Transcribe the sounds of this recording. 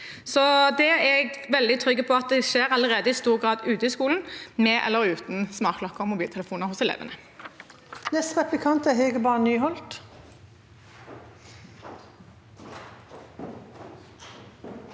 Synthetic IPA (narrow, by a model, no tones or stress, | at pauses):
sɔd̪ɛɛɡʋɛld̪ɪt̪ʰʁʏɡːəpʰɔɑt̪̚d̪ɛʃeːʁɑləʁeːd̪əɪst̪uːʁɡʁɑːd̪ʉːt̪əɪskuːln̩mɛʔɛ̰lːəɾʉːt̪n̩smɑːʁkʰlɔkːəʁɔmʊbiːlt̪ʰɛləfuːnəʁhʊsɛlḛːʋə̰nə | nɛst̪ʁɛplɪkʰɑnt̪æɦheːɡəbɑːnnyːhɔlt̪